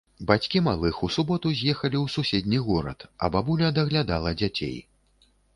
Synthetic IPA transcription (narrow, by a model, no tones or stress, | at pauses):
bat͡sʲkʲimalˠɨxusubɔt̪uzʲjɛxɐlʲiwsusʲɛd̪ʲnʲiɣɔɾɐ̰t̪ɐ̰babulʲɐd̪ɐɣlʲad̪alˠɐd͡zʲat͡sʲḛj